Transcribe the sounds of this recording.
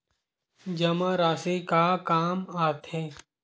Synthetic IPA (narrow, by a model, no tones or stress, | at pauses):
d͡ʒɐmãɾaːsekakaːmaːt̪ɦẽ